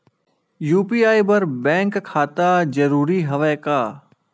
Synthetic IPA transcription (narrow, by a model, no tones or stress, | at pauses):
juːpiːaːibɐɾbɛ̃ːŋkkʰːaːt̪ad͡ʒɐɾuːɾiɦɐʋɛːkaː